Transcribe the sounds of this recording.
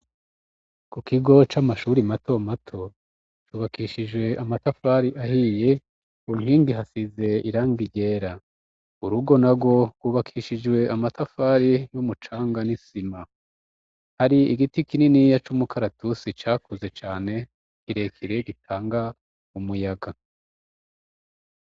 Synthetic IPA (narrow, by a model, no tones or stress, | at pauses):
kukiɡo̞t͡ʃamaʃuɾimato̞matʰo̞ | t͡ʃuːβakiːʃid͡ʒwe̞ʔamatafaːɾiʔahije̞ | uŋhiːndiɦasize̞iɾaːŋɡiɟe̞ːɾa | uɾuɡo̞naɡo̞ɾɡwuːβakʰiːʃid͡ʒwe̞ʔamatafaɾijumut͡ʃaːŋɡanisima | haɾiiɡitikininijat͡ʃumukʰaɾatusit͡ʃaːkuze̞t͡ʃaːne̞ | kiɾe̞kʰiɾe̞ɡitʰaːŋɡa | umujaɡa